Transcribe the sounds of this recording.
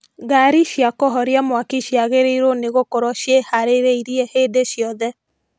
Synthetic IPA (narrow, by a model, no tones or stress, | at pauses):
ɣaɾiʃjakɔɦɔɾjamwakiʃjaɣeɾeiɾoneɣokoɾɔʃjehaɾeɾeiɾiɛheːdeʃjɔðɛ